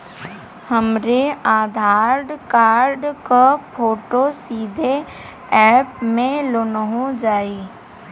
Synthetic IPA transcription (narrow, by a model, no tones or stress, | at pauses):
həmɾeaːd̪ʱaːɾɖkaːɾɖkapʰoːʈosiːd̪ʱe | ɛːpmẽlonəɦõd͡ʒaːiː